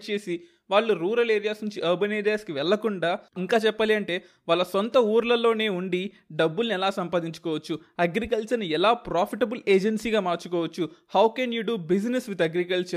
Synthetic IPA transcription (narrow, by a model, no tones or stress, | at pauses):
t͡ʃe̞ːsi | ʋaːɭːuɾuːɾɐleːɾijaːsnuɲt͡ʃiʔɐɾbɐneːɾijaːskiʋɛɭːɐkuɳɖaːiŋkaːt͡ʃɛpːɐliɐɳʈe̞ː | ʋaːɭːɐsont̪ɐuːɾlɐlo̞ːne̞ːuɳɖi | ɖɐbːulniɛlaːsɐmpaːd̪iɲt͡ʃu̥kɔːʋɐt͡ʃːuɐɡɾikɐlt͡ʃɐɾniɛlaːpɾaːpʰiʈɐbuleːd͡ʒɐnsiːɡaːmaːɾt͡ʃukɔːʋɐt͡ʃːuhɐwkenjuːɖubid͡ʒnesʋit̪ɐɡɾikɐlʈʃɐ